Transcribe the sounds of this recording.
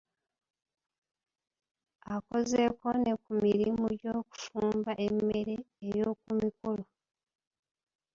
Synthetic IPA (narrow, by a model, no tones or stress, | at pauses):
ako̞ze̞ko̞ne̞kumiɾimuɟo̞ːku̥fuːmbaʔemːe̞ɾe̞ːjo̞ːkumikolo̞